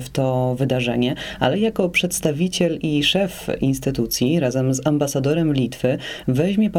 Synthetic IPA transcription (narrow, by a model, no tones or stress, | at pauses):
ft̪ɔvɘd̪aʐɛɲɛa̰lɛjakɔpʂɛt̪st̪avʲit͡ɕɛliʂɛfinst̪ɘt̪ut̪sʲjiɾazɛmzambasad̪ɔɾɛmlʲit̪fɘvɛʑmʲjɛp